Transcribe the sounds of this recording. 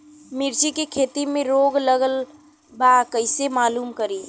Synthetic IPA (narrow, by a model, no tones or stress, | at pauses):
miɾt͡ʃikekʰet̪imẽɾoɡləɡəl | bakəɪsemaːlumkəɾi